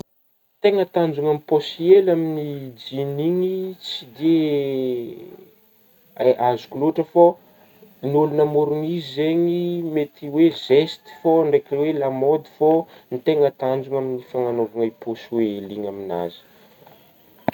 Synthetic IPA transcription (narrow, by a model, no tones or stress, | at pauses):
t̪eŋət̪and͡zuŋamiposielaminid͡ʒiniŋit͡sid̪e | aazu̥kuluʈ͡ʂəfo | nulunamuɾuŋizizeɲimet̪iwezest̪i̥foɳɖ͡ʐekiwelamod̪i̥fonit̪eŋət̪and͡ʒuŋaminifaŋanovaŋajposweliŋamina̰zi̥